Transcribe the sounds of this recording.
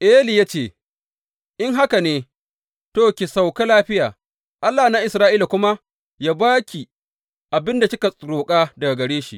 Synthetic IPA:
ʔeː˦li˨ja˦t͡ʃeː˦˨ | ʔɪ˦ŋɦa˦ka˨neː˨˦ | toː˦˨kʲi˨sa˨wka˦laː˦ɸɪ˦jaː˨ | ʔa˦lːaː˨na˦ʔɪ˨sɾaː˦ʔiː˦la˨kʷʊ˦ma˦ | jaː˦baː˦kʲi˨ | ʔa˨bɪ˦nda˨sɪ˦ka˨sʼɾoː˨kʼaː˦dɐ˨ɡa˨ɡɐ˨ɽeː˦ʃḭ˨ʔ

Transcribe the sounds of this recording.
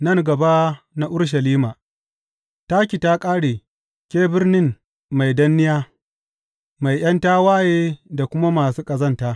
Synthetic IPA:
nɐ˦˨ŋɡɐ˨ba˦ | na˦ʔʊ˦ɽʃ̬ɐ˨liː˦maː˨ | ta˦kʲi˨ta˦kʼaː˦ɽeː˨ | kʲeː˦bɪ˦rnɪ˦m | ma˨jdɐ˦nːɪ˦jaː˦ | ma˨jj̰ɐ˦ntaː˦waː˦jeː˦da˨kʷʊ˦ma˦maː˨suː˦kʼɐ˨zɐ˦ntaː˦

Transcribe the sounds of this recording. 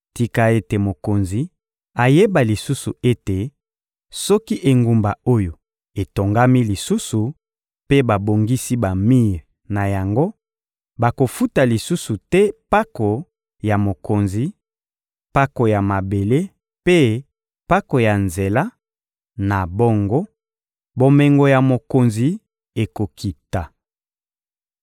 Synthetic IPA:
ti˨ka˨e˦te˨mo˨ko˨nzi˨ | a˨je˦ba˨li˨su˦su˨e˦te˨ | sɔ˦ki˦ʔe˨ŋɡu˨mba˨o˦jo˨ | e˨to˨ŋɡa˦mi˦li˨su˦su˨ | pe˦ba˨bo˨ŋɡi˦si˦ba˨mi˦ʁ | na˨ja˨ŋɡo˦ | ba˨ko˨fu˦ta˨li˨su˦su˨tɛ˦pa˦ko˨ | ja˨mo˨ko˨nzi˨ | pa˦ko˨ja˨ma˨be˨le˦ | pe˦ | pa˦ko˨ja˨nze˨la˦ | na˨bo˦ŋɡɔ˦ | bo˨mɛ˨ŋɡo˨ja˨mo˨ko˨nzi˨ | e˨ko˨kʰi˨ta˨

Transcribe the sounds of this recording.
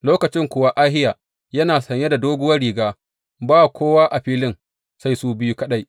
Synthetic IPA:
loː˦kɐ˨t͡ʃɪ˦ŋkʷʊ˨wa˦ʔaː˦ɦɪ˦ja˨ | jɐ˦naː˨sɐ˨ɲje˦da˨doː˦ɡʊ˦wɐ˦ɾiː˨ɡaː˦ | baː˦˨kʷoː˦waː˦ʔa˨ɸiː˦lɪ˦ŋ | sa˦jsuː˦bɪ˦ju˦kɐ˦ɗa˦j

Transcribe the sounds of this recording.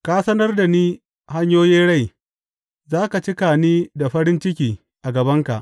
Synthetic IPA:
kaː˦sɐ˦nɐ˦rda˨niː˦ | ha˦ɲjoː˦jiː˦nɽa˦˨j | zaː˦ka˨t͡ʃɪ˦ka˨niː˦da˨ɸɐ˦ɾɪ˦nt͡ʃɪ˦kʲiː˨ | ʔa˨ɡɐ˨bɐ˦ŋka̰˨ʔ

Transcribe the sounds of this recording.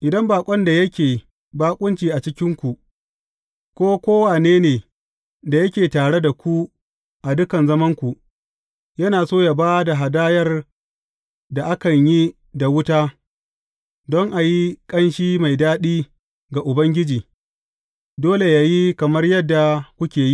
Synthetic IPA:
ʔɪ˨dɐ˦mbaː˨kʷʼɔ˦nda˨jɐ˦kʲeː˨ | baː˦kʷʼʊ˦nt͡ʃiː˨ʔa˨t͡ʃɪ˦kʲɪ˦ŋkʷu˨ʔ | kʷoː˦kʷoː˦wa˨neː˦neː˨ | da˨jɐ˦kʲeː˨taː˨ɽe˦da˨kʷu˦ | ʔa˨dʊ˦kɐ˨nzɐ˦mɐ˦ŋkʷu˨ʔ | jɐ˦naː˨soː˦ja˨baː˦da˨ɦa˨daː˦jɐ˦r | da˨ʔa˦kɐ˨ɲji˦ | da˨wʊ˦taː˦ | dɔ˦ŋʔa˨ji˦kʼɐ˦nʃiː˦ma˨jdaː˦ɗiː˦ | ɡa˨ʔʊ˨bɐ˦ŋɡʲɪ˦d͡ʒiː˨ | doː˦le˨ja˨ji˦kɐ˨mɐ˦rjɐ˦dːa˨kʷʊ˦kʲeː˨ji˦

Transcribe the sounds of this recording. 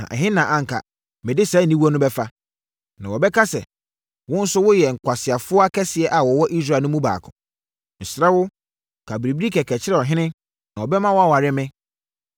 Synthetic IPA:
ã̰˨ʔɛ̰˨ɦɪ̃˦nã˨ʔã˨ŋ̩˨kʰa̰˨ | mɪ̃˨dɪ˦sɛ˨˦˨nĩ˦wu˦ɔ˦nʊ̃˦bɛ˦fa˦ | nã˨wɔ˨bɛ˦kʰa˦sɛ̰˨ | wʊ̃˦n̩˦sʊ˦wʊ˦jɛ˨ŋ̩˨kʰʷa˨sɪ˨a˨fʊ˦ɔ˦a˦kʰɛ˦sɪ˨ɛ˨˦ʔa˨wɔ˨wɔ˦ʔi˦s̬ɾaː˦˨nʊ̃˦mũ˦ba̰ː˨kʰʊ̰̃˨ | n̩˨sɾɛ˦wʊ˦ | kʰa˨bɾi˨bi˦ɾi˦kʰɛ˨kʰɛ˨t͡ɕʰɪ˦ɾɛ˦ɔ˨ɦɪ̃˦nɪ̃˦ | nã˨ɔ˨bɛ˦mã˦wɔ˦a˦wa˨ɾɪ˦mɪ̃˦

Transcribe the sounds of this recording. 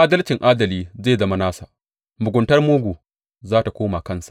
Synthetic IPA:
ʔaː˦dɐ˦lt͡ʃɪ˨ŋʔaː˦dɐ˨liː˦zeː˦˨zɐ˦ma˦naː˦sa˨ | mʊ˨ɡʷʊ˨ntɐ˦rmuː˦ɡʷuː˨ | zaː˦ta˨kʷoː˦ma˨kɐ˦nsḁ˨ʔ

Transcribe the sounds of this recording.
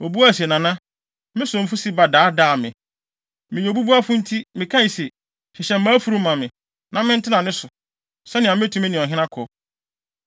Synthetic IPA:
o˨bu˦a˦˨si˨e˨nã˨nã˦ | mɪ̃˦sʊ̃˨m̩˨fu˦si˦ba˨daː˨˦daː˦˨mɪ̃˨ | mɪ̃˨ɲɛ˨bu˦bu˦a˦fʊ̃˦n̩˦tʰi˦mɪ̃˨kʰã˦˨se˨ | ɕɪ˨ɕɛ̃˨m̩˦mã˦fu˨ɾu˦mã˨mɪ̃˨ | nã˦mɪ̃˦n̩˦tʰɪ˦nã˨nɪ̃˦sʊ˨ | sɛ˦nɪ̃˨ã˨mɪ˦tʰũ˨mɪ̃˦nɪ̃˨ɔ˨ɦɪ̃˦nã˦kʰɔ˨

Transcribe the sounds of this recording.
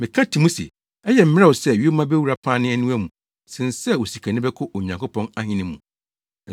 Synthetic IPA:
mɪ̃˨kʰã˦tʰi˨mũ˦sḭ˨ | ɛ˦jɛ˨m̩˦mɪ˦ɾɛ˦wɔ˨sɛ˦˨ɥi˦o˦mã˦bæ˦wu˨ɾa˦pʰãː˦nɪ̃˦æ˦nũ˦æ˦mũ˨ | sɪ̃˨n˨sɛ˦wo˨si˨kʰa˨nɪ̃˦bɛ˦kʰʊ˦ʔo˨ɲã˨ŋkʊ˦pʰɔ̃˦na˦hĩ˦nɪ̃˦mːũ˨

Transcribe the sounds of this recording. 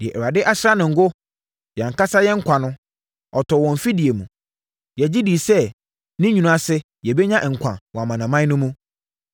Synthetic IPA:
dɪ˨ɛ˨ʔɛ˨ɾa˨dɪ˦ʔa˦sɾa˦nʊ̃˨ŋ̩˨ɡʊ˦ | ja˨ŋ̩˨ka˦sa˦jɛ˦ŋ̩˦kʷʰã˨nʊ̃˦ | ɔ˨tʰɔ˨wɔ̃˨m˨fi˦di˨e˨mũ˨ | jɛ˨d͡ʑi˦di˨sɛ˦ | nɪ̃˦ɲᶣũ˨nũ˨˦a˨sɪ˦ | jɛ˨bɛ˦ɲã˦ʔŋ̩˨kʷʰã̰˨wɔ̃˨a˨mã˨nã˨mã˦nʊ̃˦mũ˦

